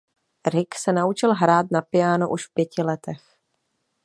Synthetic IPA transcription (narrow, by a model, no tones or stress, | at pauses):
ɾɪksɛnaut͡ʃɪlɦɾaːt̪napɪjaːnoʔuʃfpjɛcɪlɛt̪ɛx